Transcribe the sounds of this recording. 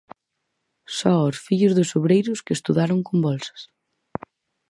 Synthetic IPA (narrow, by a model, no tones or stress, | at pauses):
sɔɔsfiʎʊzðʊsoβɾejɾʊskest̪uðaɾʊŋkombɔlsɐ̥s